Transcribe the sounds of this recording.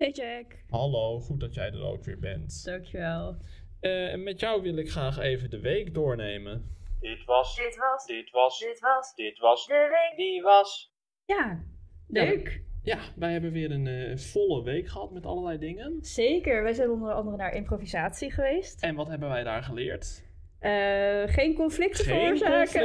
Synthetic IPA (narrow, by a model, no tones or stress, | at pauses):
ed͡ʒɛk | ɦɑlowχut̚dɑtjɛ̰jdə̰ro̰ːwkʋɪ̰ːɹbɛ̰ntd̥ɑŋkjuʋɛlˠ | əmɛtjʌwʋɪlˠɪkχraːχejvəndəʋejkdʊːɹnejməndɪtʋɑsɪtdɪtʋɑssd̥ɪtʋɑsdəʋejk̚diʋɑs | jaːløkjaʋɛjɦɛbənʋɪːɾənv̥ɔləʋejkχəɦɑtmɛtɑ̰lˠəlɛjdɪŋənz̥ejkəɹʋɛjzɛjnənɔndəɹɑndərənaːɹʔɪ̰mprovizaːtsiχəʋejstɛnʋɑtɦɛbənʋɛjda̰ːɹχəlɪ̰ːɹt | ʔəχejnkɔnflɪk̚təːzɛk